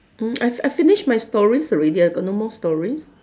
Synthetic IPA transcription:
m̩ajfajfiniʃmajstɔɹisɹediɡɔnɔməlstɔɹis

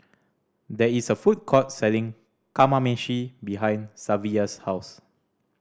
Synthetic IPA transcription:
dɛisəfut̚kʰɔt̚sɛlĩŋ | kamamɛ̃ʃibiɦãj̃nsaviəshaws

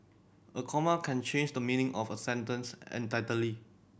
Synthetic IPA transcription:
ʔəkʰɔməkʰɛ̃nt͡ʃʰẽnd͡ʒdəmĩnɪ̃ŋʔɔfəsɛ̃ntə̃nsɛ̰̃ntatəli

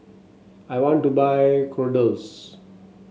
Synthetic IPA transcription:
aɪʋɔ̃ɳʈːubaɪkʰoɖəls

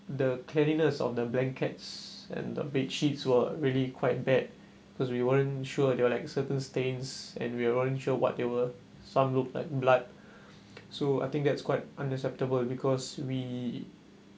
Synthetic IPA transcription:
dəkʰlɛninəsɔ̰fdəblɛ̃ŋkʰɛtsɛ̰̃ndə̰betʃitswəɹiəlikʰwaɪt̚bɛd̚ | bikɔswiwəə̃nʃuədewəlaɪksətə̃nstẽnsɛ̰̃nwiəwəə̃nʃuəwɔ̰t̚dewə | sãmlukla̰ɪk̚blat̚ | soa̰ɪt̪ɪ̃ŋk̚dɛtskwaɪt̚ʔãnəksɛp̚təbəlbikʰɔswi

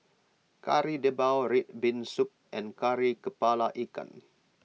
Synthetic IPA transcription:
ka̰ɾidəbawɾit̪̚binsup̚ʔɛ̃nkaɾikəpalaʔika̰n

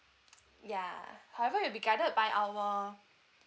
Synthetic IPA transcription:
jahawɛvəjubiɡadət̚bajʔawɔ

